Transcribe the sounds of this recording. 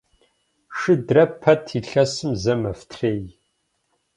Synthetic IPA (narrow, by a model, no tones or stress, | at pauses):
ʂɨdrɐpʰɐtʰiɬɐsɨmzɐmɐftʰreːj